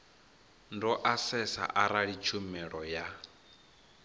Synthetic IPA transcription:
ndɔʔasɛsa̰ʔaɾaɺit͡ʃʰumɛɺɔja

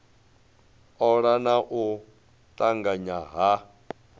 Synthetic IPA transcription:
ɔɺanaʔu | tʼaŋɡaɲaɦa

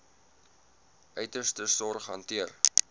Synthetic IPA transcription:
ʔœɥtərstəsɔrχɦɐ̰ntiər

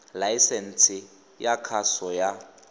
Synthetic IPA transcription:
lajisɛn̩t͡sʰʼɪ | jakʰasɔja

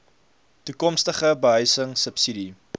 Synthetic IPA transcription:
tukɔmstəχəbəɦœɥsəŋsəpsidi

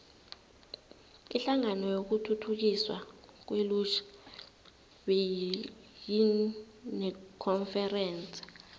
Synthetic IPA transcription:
iɬaŋanɔjok̬utʰutʰuk̬iswa̰k̬welut͡ʃʰḁ | ɓe | ji | nɛkʰɔnfɛrɛːnt͡sʼi̥

